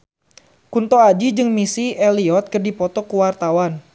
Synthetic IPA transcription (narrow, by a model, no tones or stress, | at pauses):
kunt̪oad͡ʒid͡ʒɨŋmisiɛliɔt̪̚kɨrdipɔt̪ɔkuwart̪awan